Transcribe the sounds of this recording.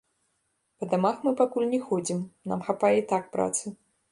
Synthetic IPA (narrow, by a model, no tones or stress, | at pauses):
pɐd̪amaxmɨpakulʲnʲɛxɔd͡zʲimna̰mxapajɛit̪ak̚pɾa̰t̪sɨ